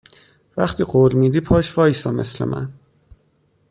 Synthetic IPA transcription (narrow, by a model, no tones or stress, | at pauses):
væxt̪ʰiːɢolmiːd̪iːpʰɒːʃfɒːjsɒːme̞̰slḛmʔæ̰n